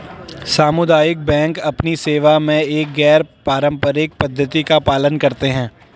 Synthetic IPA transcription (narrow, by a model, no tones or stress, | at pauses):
saːmʊd̪aːjɪk̚bɛ̃ːŋkɐpniseːʋamẽeːk̚ɡɛːɾpaːɾə̃mpəɾɪk̚pɐd̪ʱːət̪ikapaːlənkɐɾt̪eɦɛ̃ː